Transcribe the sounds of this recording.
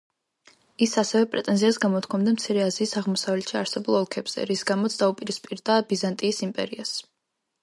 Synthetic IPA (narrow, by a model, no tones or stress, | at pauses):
isasɛvɛpʼɾɛt̪ʼɛnziasɡamɔt̪̚ʰkʰɔmd̪amt̪sʰiɾɛaziːsaʁmɔsavlɛt̪ʰʃiaɾsɛbulˠɔlˠkʰɛbz̥ɛ̰ɾisɡamɔt̪sʰd̪aupʼiɾispʼiɾd̪aːbizant̪ʼiːsimpʼɛ̰ɾias